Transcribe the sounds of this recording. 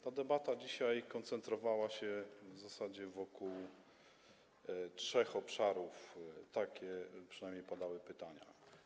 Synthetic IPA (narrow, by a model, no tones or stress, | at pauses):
t̪ad̪ɛbat̪ad͡ʑiɕajkɔnt̪sɛnt̪ɾɔvawaɕɛvzasad͡ʑɛvɔkuw | tʂɛxɔpʂaɾuft̪akʲɛpʂɨ̥najmɲejpɔd̪awɘpɘt̪aɲa̰